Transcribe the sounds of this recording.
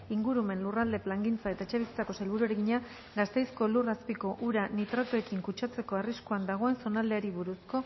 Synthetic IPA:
iŋɡuɾume̞nlurald̪e̞plaŋɡint͡sae̞t̪aet͡ʃeβisit͡s̪ako̞selβuɾueɾeɣiɲa | ɡast̪e̞jsko̞luraspiko̞ʔuɾanit̪ɾat̪oe̞kiŋkut͡ʃat͡se̞ko̞ariskuand̪aɣ̞o̞e̞nso̞nald̪e̞aɾiβuɾusko̞

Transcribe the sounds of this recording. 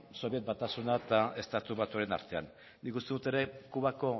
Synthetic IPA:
so̞βie̞t̪̚bat̪asunat̪ae̞st̪at̪uβat̪uaɾena̰ɾt̪e̞a̰n | nikust̪eut̪e̞ɾe̞kuβako̞

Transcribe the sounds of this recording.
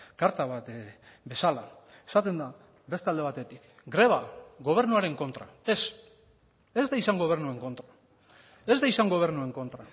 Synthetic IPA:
kaɾt̪aβat̪ | be̞sala | esat̪e̞nd̪a | be̞st̪ald̪e̞β̞at̪e̞t̪ik | ɡɾe̞β̞aɣo̞β̞e̞ɾnuaɾe̞ŋko̞nt̪ɾa̰e̞s | e̞zd̪aisaŋɡo̞β̞e̞ɾnue̞ŋko̞nt̪ɾa | e̞zd̪aisaŋɡo̞β̞e̞ɾnue̞ŋko̞nt̪ɾa

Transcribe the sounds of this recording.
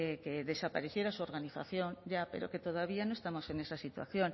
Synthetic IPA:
ekeðe̞sapaɾe̞θje̞ɾasuo̞ɾɣaniθa̰θjõ̞nɟ͡ʝape̞̰ɾo̰ke̞t̪oðaβ̞ianoest̪amo̞se̞ne̞sasit̪wa̰θjon

